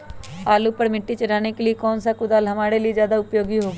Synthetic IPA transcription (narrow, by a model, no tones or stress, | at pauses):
aːluːpəɾmɪʈːiːt͡ʃəɽaːneːkeliekɔːnsaːkʊd̪alɦəmaːɽeːləizjaːd̪aːʊpjoːɡiːɦoːɡː